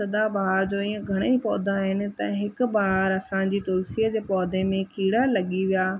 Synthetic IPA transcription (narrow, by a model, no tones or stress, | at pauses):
sɐd̪abaɦaɾd͡ʑoiːə̃ɡʱɐɽ̃eipɔːd̪ʱãɦɪnɪ̆t̪ɐɦɪkʊbaɦaɾɐsãd͡ʑiːt̪ʊlsijəd͡ʑeːpɔːd̪ʱemẽkiːɽalɐɠiʋijaː